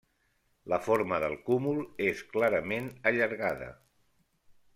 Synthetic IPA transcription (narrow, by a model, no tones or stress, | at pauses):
ləfoɾməðəlˠkumulˠesklaɾəmenəʎəɾɣaðə̰